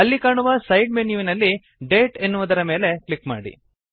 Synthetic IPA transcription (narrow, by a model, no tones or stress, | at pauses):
ɐlːikaːɳuʋɐsɐjɖmenjuːʋinɐlːi | ɖeːʈenːuʋud̪ɐɾɐme̞ːle̞kɭikma̰ːɽḭ